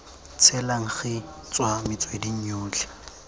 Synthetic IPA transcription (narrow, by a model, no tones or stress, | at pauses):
t͡sʰɛlaŋ̩χɪ | t͡sʼwamɪt͡sʼwediɲ̩ɲʊːt͡ɬɛ̥